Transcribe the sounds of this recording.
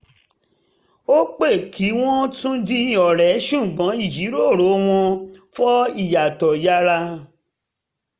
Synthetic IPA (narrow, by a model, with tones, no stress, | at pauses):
o˦k͡pe˦˨kʰi˨˦w̃ɔ̃˦tũ˦dĩ˦˨ɔ˨ɾɛ˨˦ʃũ˦˨ɡ͡bɔ̃˨˦i˦˨d͡ʒi˨˦ɾo˦˨ɾo˨˦w̃ɔ̃˧fɔ˦i˦˨ja˨tɔ˨ja˦ɾa˧